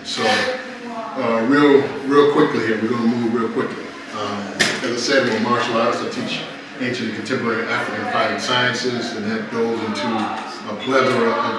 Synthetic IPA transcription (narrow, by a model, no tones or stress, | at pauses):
soʊ | ʌɹilˠɹilˠkʰw̥ɪklihiɹwiɡõnəmuɹilˠkʰw̥ɪkli | ʌɨt̚ðɨsẽnwiəmɑɹʃl̩ˠɔɾəstaɪtʰit͡ʃ | ẽɪ̃nʃɨ̃nɨkʰn̩tʰɛ̃mpə˞ɛɹiʔæfɹɨkɨ̃n̩fʰaɪvɨ̃ŋsaɪɨ̃nsɪzɨ̃nɨv̚ɡoʊzɪ̃ntʰu | əpʰl̥ɛɾə˞